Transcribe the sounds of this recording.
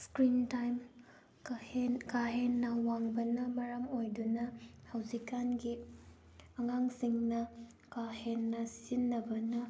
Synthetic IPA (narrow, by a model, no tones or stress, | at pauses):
skɾintajm | kaɦenːɐwaŋbɐnɐmɐɾɐmojdunɐhawzikanɡi | ɐŋaŋsiŋnɐ | kahenːɐsizinːɐbɐnɐ